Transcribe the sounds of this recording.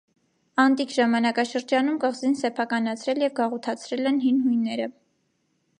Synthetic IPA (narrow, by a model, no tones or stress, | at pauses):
ɑnt̪ikʰʒɑmɑnɑkɑʃəɾd͡ʒɑnumkəʁzinsɛpʰɑkɑnɑt͡sʰɾɛljɛvɡɑʁɔt̪ʰɑt͡sʰɾɛlɛnɦinɦujnːɛɾə